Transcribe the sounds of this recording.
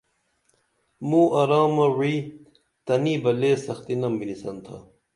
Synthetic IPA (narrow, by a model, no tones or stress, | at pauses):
muːʔɐɾaːmɐwiː | t̪ɐniːbɐleːsɐxt̪inɐmbinisɐnt̪ʰɐ̰